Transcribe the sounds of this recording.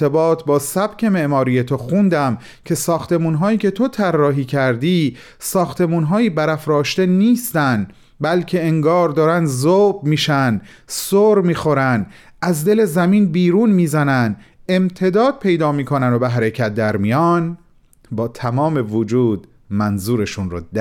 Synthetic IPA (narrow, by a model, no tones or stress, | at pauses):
ebɒːt̪ʰbɒːsæb̥cʰe̞me̞ʔmɒːɾiːje̞t̪ʰoxund̪æm | cʰe̞sɒːxt̪e̞muːnɦɒːiːcʰe̞t̪ʰo̞t̪ʰærːɒːɦiːcʰæɾd̪iː | sɒːxt̪ʰe̞muːnɦɒːjiːbæɾæfɾɒːʃt̪e̞niːst̪æn | bælcʰe̞eŋɡɒːɾd̪ɒːɾænd̪zobmiːʃæn | soːɾmiːxo̞ɾænd̪ | æzd̪e̞le̞zæmiːnbiːɾuːnmiːzænænd̪e̞mt̪ʰe̞d̪ɒːd̪̚pʰe̞jd̪ɒːmiːkʰo̞nænd̪obeɦæɾe̞cʰæt̪̚d̪æɾmijɒːn | bɒːt̪ʰæmɒːme̞vod͡ʒuːd̪ | mænzuːɾe̞ʃunɾo̰ːd̪